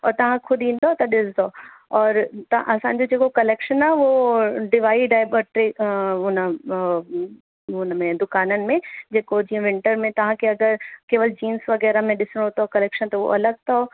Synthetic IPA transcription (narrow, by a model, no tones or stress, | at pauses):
ɔ̰ːɾt̪ɐʋ̤ãkʰʊd̪ʱĩːnd̪ot̪ɐɗɪsd̪oːɔːɾt̪ɐã̰ʔɐsãːɲ̆d͡ʑod͡ʑeːkokɐleːkʃənaʋoɖɪʋaːiɖaːjbəʈɾiʊnə | ʊnmẽd̪ʊkaːnənɪ̆mẽd͡ʑeːkod͡ʑiːə̃ʋɪ̃ɳʈəɾmẽt̪ɐʋ̤ãkʰeɐɡəɾkeːʋəld͡ʑiːnsʋɐɡɛːɾamẽɗɪsəɽ̃ɦot̪okɐleːkʃənt̪ɐʋo̰ʔɐləɡ̚t̪ʰo